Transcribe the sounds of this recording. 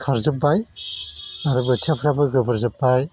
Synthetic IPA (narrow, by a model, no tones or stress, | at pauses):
kʰaɾzɯp̚ːaj | aɾɯbɯt͡ʃʰepʰɾabɯɡɯbɯɾzɯpːaj